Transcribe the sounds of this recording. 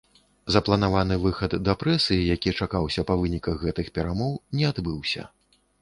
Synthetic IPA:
zɐplˠɐnavanɨvɨxɐd̪ːɐpɾɛsɨjijakʲit͡ʂakawsʲɐpɐvɨnʲikɐɣːɛt̪ɨxpʲɛɾamɔwnʲɛad̪bɨwsʲɐ̰

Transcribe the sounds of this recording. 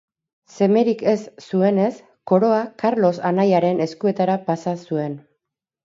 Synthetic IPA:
se̞me̞ɾike̞sːue̞ne̞s | ko̞ɾo̞akaɾlo̞sanajaɾe̞ne̞skue̞t̪aɾapasasue̞n

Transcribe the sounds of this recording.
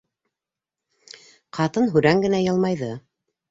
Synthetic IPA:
qɑt̪ɤnɦʉɾæŋɡɘ̆næjɑlˠmɑjðɤ

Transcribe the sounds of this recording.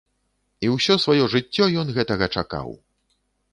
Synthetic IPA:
iwsʲɔsvajɔʐɨt͡sʲːɔjɔnɣɛt̪ɐɣɐt͡ʂaka̰w

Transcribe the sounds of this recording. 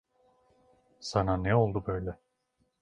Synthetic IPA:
sananɛo̞lˠd̪ubø̞jlʲɛ

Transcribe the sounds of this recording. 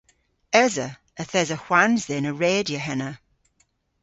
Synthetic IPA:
ɛzə | əθɛzəhwanzðɪnəɹeːdjəɦɛnə

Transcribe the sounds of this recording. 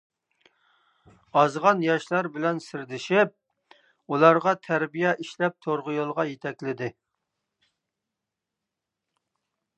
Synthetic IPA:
ɑzʁɑnjɑʃlˠɑɾbɪlɛnsɪɾd̪ɪʃɪp̚ | ulˠɑɾʁɑt̪ʰæɾbijɛʔiʃlɛp̚t̪ʰoɾʁʊjolˠʁɑjet̪ʰɛkʲlɪd̪ɪ

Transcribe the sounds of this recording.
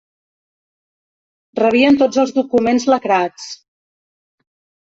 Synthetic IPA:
rəβ̞iənt̪od͡zəlˠzðukumenzləkɾat͡s

